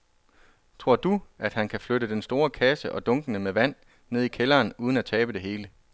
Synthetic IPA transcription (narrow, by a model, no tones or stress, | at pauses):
t͡sʰʁo̝ɐ̰d̥uʔæd̥hænkʰæfløɾəd̥ensd̥o̝ːɐkʰæsəʔɒ̽d̥ɔ̽ŋɡ̥ənəmeʋæn̰ | ne̝ð̞ˠikʰelɐːnuðˠən̩æt͡sʰɛːb̥əd̥e̝ɦe̝ːlə